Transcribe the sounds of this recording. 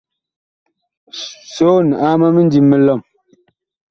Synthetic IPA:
soː˨˦n˨a˦ma˦me˦n˦di˨mːe˦lɔ˦˨m

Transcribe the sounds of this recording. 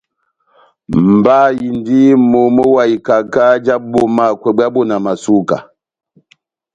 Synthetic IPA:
mm̩˨ba˦ji˨ndi˦mo˨mo˦wa˨i˨ka˨ka˦d͡ʒa˦bo˦ma˦˨kwɛ˨bwa˦bɔ˦˨na˨ma˨su˦ka̰˨

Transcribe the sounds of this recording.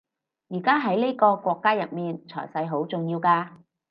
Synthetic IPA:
jiː˨˩kaː˥ɦɐ˨˥jne˥jkɔː˧kʷɔː˧kːaː˥jɐ˨t̚miː˨nt͡sʰɔ̰ː˨˩jsɐ˧jɦo˨˥wt͡sʊ˨ŋjiː˧wkaː˧

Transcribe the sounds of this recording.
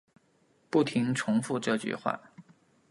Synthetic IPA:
pu˥˩t̪ʰi˧˥ŋʈ͡ʂʰʊ˧˥ŋfu˥˧ʈ͡ʂɤ˥˧t͡ɕy̰˥˩xwa̰˥˩

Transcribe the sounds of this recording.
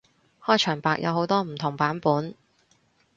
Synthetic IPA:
hɔː˥˩jt͡ʃʰœː˨˩ŋpaː˨k̚jʔɐ̰˨˧who˨˧˥wt̪ɔː˥m̩˨˩t̪ʰʊ˨˩ŋpaː˨˥npuː˨˥n

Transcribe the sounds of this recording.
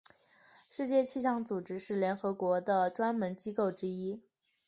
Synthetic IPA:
ʂɻ̩˥˧t͡ɕjɛ˥˧t͡ɕʰi˥˧ɕ̬jɑ˥˩ŋt͡su˨˩ʈ͡ʂɻ̩˥ʂɻ̩˥˩ljɛ˧˥nxɤ˧˥kwɔ˧˥d̪ə˧ʈ͡ʂwa˥nmə˧˥nt͡ɕi˥ko˥˩ʊʈ͡ʂɻ̩˥i˥

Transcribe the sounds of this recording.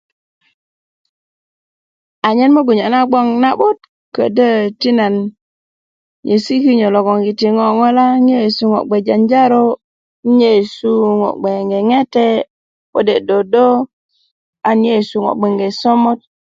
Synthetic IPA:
a˨ɲe˦nmo˦ɡu˨ɲa˨na˦ɡ͡bo˦ŋna˦ɓo˦t | kə̰˨də˦ti˦na˨n | ɲe˨si˦ki˦ɲo˨lo˨ɡo˨ŋɡi˨ti˨ŋo˨ŋo˦la˦ŋe˦˨su˨ŋo̰˨ɡ͡be˨d͡ʒa˨nd͡ʒa˦ɾo˦ | ɲe˦˨su˦ŋo̰˨ɡ͡be˨ŋɡe˨ŋe˦te˦ | wo̰˦de˨do˨do˦ | a˨nje˦˨su˨ŋo̰˨ɡ͡be˨ŋɡe˨so˦mo˦t̚

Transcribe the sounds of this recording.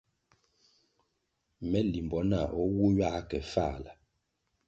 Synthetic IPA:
mɛ˦li˨mbɔ˨˦na˨ʔɔ˦wu˦ɥa˦kɛ˨fa˦˨la˨

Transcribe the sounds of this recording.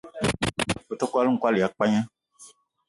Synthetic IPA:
fo˨tɔ˦ku˦a˦lu˦ŋ̩˨kwa˦li˨a˨k͡pa˦ɲã˦

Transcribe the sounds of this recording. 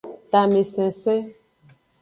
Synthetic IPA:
ta˨me˨sɛ̃˨sɛ˦

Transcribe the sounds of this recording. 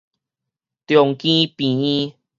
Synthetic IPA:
t̪jɔ˨˩ŋkĩ˦pĩ˨˩ĩ˦

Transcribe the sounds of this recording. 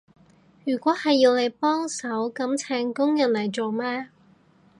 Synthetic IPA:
jyː˨˩kʷɔː˨˥hɐ˨jːiː˧wne˨˧jpɔː˥ŋsɐ˨˥wkɐ˨˥mt͡sʰɛː˨˥ŋkʊ˥ŋjɐ˨˩nlɐ˨˩jt͡so˨wmɛː˥

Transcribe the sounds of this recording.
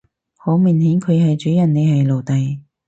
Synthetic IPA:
hoː˨˥miː˨nhi˨˥ŋkʰɵ˨˧ɥɦɐ˨jt͡ʃyː˨˥jɐ˨˩nne˨˧jɦɐ˨jlo˨wt̪ɐ˨j

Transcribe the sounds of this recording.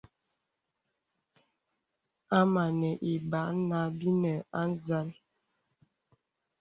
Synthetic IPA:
a˦ma˨nɛ˨ʔi˨ba˨˦na˦bi˦nə˨a˦n˦za˦n

